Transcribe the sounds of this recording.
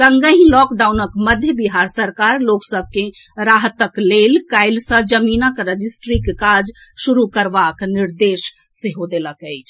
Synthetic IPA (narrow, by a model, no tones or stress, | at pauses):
ɡəŋɡəɦĩlɔkɖawnəkməd̪ʱjəbiɦaɾsəɾkaɾloksəb̚ʱkeɾaɦt̪əklelkajlsə̃d͡ʒəminakɾəd͡ʒisʈɾikekad͡ʒʃuɾukəɾbakniɾd̪eʃ | seɦod̪eləkəɪt͡ʃʰ